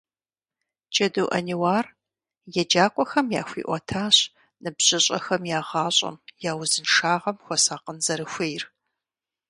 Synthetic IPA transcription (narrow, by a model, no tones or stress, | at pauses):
d͡ʒʼɐduːʔɐ̰niwaːr | jɛd͡ʒaːkʷʼɔxɐmja̰ːxʷḭːʔʷɔtʰaːɕ | nɨbʑ̥ɪɕʼɐ̰xɐmjaːʁɑːɕʼɐ̰mjaːwzɨnʂaːʁɐmxʷɔsaːqənzɐɾɨxʷejr